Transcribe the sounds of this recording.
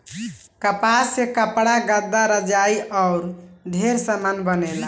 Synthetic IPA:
kəpasekəpɽaɡəd̪ːaɾəd͡ʒaiʔɔʊɾd̪ʱeɾsamanbənela

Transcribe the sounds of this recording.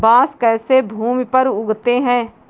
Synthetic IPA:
bãːskɛːsebʱuːmpəɾʊɡt̪eɦɛ̃ː

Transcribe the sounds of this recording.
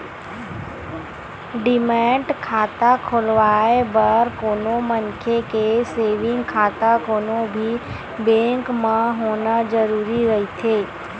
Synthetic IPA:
ɖɪmɛ̃ːʈkʰaːt̪akʰoːlʋaːebəɾkoːnomənkʰekeseːʋɪ̃ŋɡkʰaːt̪akoːnobʱi | bẽːŋkmãɦoːnad͡ʒəɾuːɾiɾɐɦit̪ʰeː

